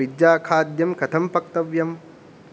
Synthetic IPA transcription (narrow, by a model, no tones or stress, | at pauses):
id̪jaːkʰaːd̪jɐmkɐt̪ʰɐmpɐk̚t̪ɐʋjɐm